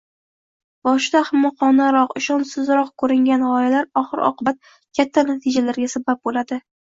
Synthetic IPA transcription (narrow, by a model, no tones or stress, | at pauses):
bɒʃd̪ahɪmːɒqɒnaɾɒqɪʃɒnsɪzɾɒq̚kʰɵɾɪŋɡʲanʁɒjalaɾɒχɨɾɒ̰qʰɨbat̪̚ | kʲʰat̪ʰːanat̪ʰɪd͡ʒalaɾɡʲasabap̚bolad̪ɪ